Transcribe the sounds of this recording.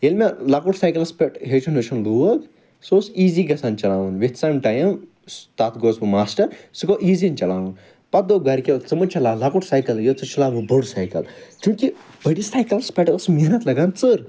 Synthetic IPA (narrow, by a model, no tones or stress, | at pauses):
jelmelakuʈsaːjkɐlspʲeʈɦet͡ʃʰunot͡ʃʰunluɐɡ | sosiːziːɡɐsaːnt͡ʃɐlaːʋunʋet̪samʈaːjɐm | st̪aːt̪ʰɡoːsʋumaːsʈɐɾsikoʔiːzint͡ʃɐlaːʋun | pɐt̪̚d̪oɡɐɾkʲet͡sɐmɐt͡ʃʰɐlaːlakuʈsaːjkɐljot͡sɨt͡ʃʰɐlaːʋubɐɖsaːjkɐ̰lt͡ʃũːki | bɐɽisaːjkɐlspeʈəsminɐt̪lɐɡaːnt͡sɨɾ